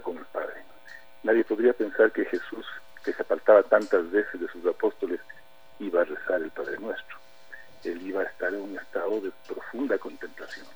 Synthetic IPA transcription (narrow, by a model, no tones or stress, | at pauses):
ko̞nelpaðɾe | naðje̞po̞ðɾiape̞nsaɾke̞xe̞sus | ke̞seapaɾt̪aβat̪ant̪azβe̞sezðesusapo̞st̪o̞les | iβaːresaɾelpaðɾe̞nwe̞st̪ɾo | e̞liβaːest̪aɾanunest̪aðo̞ðe̞pɾo̞fund̪ako̞nt̪e̞mplasjo̞n